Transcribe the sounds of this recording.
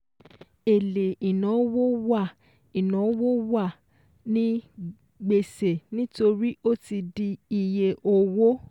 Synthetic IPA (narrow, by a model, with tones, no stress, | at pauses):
e˨le˨i˨nã˨˦wo˦wa˦˨ | i˨nã˨˦wo˦wa˦˨ | nĩ˦ | ɡ͡be˧se˨nĩ˦to˧ɾi˦o˦ti˧di˧i˧je˧o˧wo˦